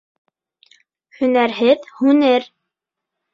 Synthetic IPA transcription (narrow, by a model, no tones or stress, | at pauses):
hɵ̆næɾɦɘðhʉnɘɾ